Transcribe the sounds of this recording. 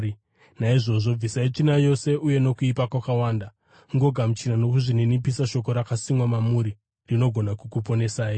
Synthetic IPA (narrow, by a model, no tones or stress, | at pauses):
naiʐo̞ʐo̞b͡visait͡ʂinajo̞se̞ʔuje̞no̞kuipakwakawaːnda | ŋɡo̞ɡʱamut͡ʃinano̞kuʐinenipisaʃo̞ko̞ɾakasimwamamuɾi | rino̞ɡʱo̞nakukupo̞ne̞saːi